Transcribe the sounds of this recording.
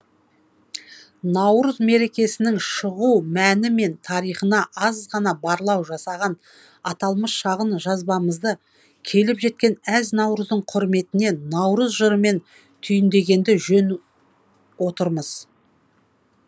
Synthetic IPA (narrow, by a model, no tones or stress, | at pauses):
nɑwɾəzme̞ɾe̞kʲe̞sɪnɪŋʃəʁuwmænɪme̞nt̪ʰɑɾijχənɑʔɑzʁɑnɑbɑɾlˠɑwʒɑsɑʁɑn | ɑt̪ɑlˠməsʃɑʁənʒɑzbɑməzd̪ə | kʲʰe̞lɪpʒe̞t̪̚kʲe̞næznɑwɾəzd̪əɴqʰʊɾme̞t̪ɪne̞nɑwɾəzʒəɾəme̞n | t̪ʰʏjɪnd̪e̞ɡʲe̞nd̪ɪʒɵn | wo̞t̪əɾməz̥